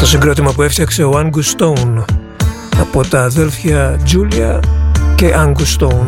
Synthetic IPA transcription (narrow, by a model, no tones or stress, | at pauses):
t̪o̞siŋɡɾo̞t̪imɐpue̞ft̪çɐkse̞oɐŋɡust̪oun | ɐpo̞t̪ɐːðe̞lfçɐd͡ʒuliɐ̰ce̞ʔɐŋɡust̪oun